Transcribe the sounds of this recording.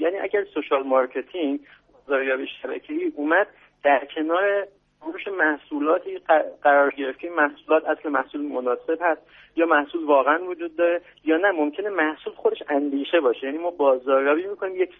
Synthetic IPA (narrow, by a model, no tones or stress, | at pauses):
jæːniːʔæ̰ɟæɾsoʃɒːlmɒɾcʰe̞t̪ʰiŋ | bɒːzɒːɾjɒːbiːʃæbæ̰cʰe̞iːʔuːmæd̪̚ | d̪̥æɾcʰe̞nɒːɾe | uʃemæhsuːlɒːt̪ʰiːɢæɾɒːɾɟe̞ɾe̞ft̪cʰeinmæhsuːlɒːt̪ʰæsle̞mæhsuːlmonɒːse̞bhæst̪ | jɒːmæhsuːlvɒːɣeænvod͡ʒuːd̪̚ːɒːɾe̞ | jɒːnæmomcʰe̞ne̞mæhsuːlxod̪e̞ʃænd̪iːʃe̞bɒːʃejæːniːmɒːbɒːzɒːɾjɒːbiːmikʰo̞niːmjecʰ